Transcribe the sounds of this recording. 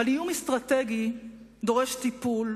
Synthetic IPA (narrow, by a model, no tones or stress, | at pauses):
alijumist̪ʁat̪eɡi | d̪o̞ʁeʃt̪ipul